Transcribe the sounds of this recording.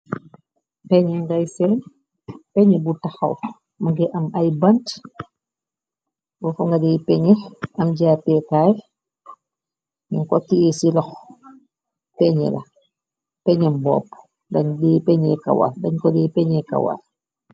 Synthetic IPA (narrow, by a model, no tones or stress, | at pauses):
pɛɲɛŋɡajsɛn | pɛɲɛbutaxa̰w | maɡɛʔamajbant | bɔfɔŋɡadɛipɛɲɛʔamɟaːpɛkaj | ɲunkɔkiɛsilɔx | pɛɲɛ̰la̰ | pɛɲɛmbɔ̰ːpː | ndaɲdɛpɛɲɛka̰wa̰ldaɲkɔdɛpɛɲɛka̰wa̰l